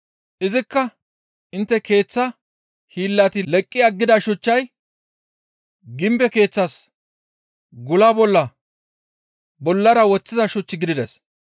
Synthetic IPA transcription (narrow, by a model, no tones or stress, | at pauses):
ʔɪzɪkːɐ | ʔɪnt̪ːɛke̞ːt͡sːɐ | hiːlːat̪ɪlɛkʼːɪɐɡːɪd̪ɐʃʊt͡ʃːɐj | ɡɪmbɛke̞ːt͡sːɐs | ɡʊlabɔlːɐ | bɔlːɐɾɐwɔt͡sːɪzɐʃʊt͡ʃːɪɡɪd̪ɪd̪ɛs